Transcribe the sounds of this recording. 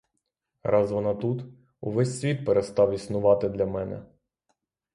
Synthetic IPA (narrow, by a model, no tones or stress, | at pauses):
ɾɑzʋɔnɑt̪ut̪ | uʋɛsʲsʲʋʲit̪̚peɾest̪ɑwisnʊʋɑt̪ɪd̪lʲɐmɛnɛ̰